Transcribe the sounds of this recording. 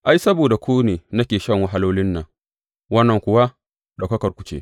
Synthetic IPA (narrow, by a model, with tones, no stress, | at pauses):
ʔa˨jsɐ˦boː˨da˨kʷoː˦neː˨nɐ˦kʲeː˨ʃɐ˦ŋwa˦ɦa˦loː˦lɪ˦nːɐ˨ŋ | wɐ˦nːɐ˨ŋkʷʊ˨wa˦ | dɐ˨kɐ˦kɐ˨rkʷʊ̥˦t͡ʃḛː˦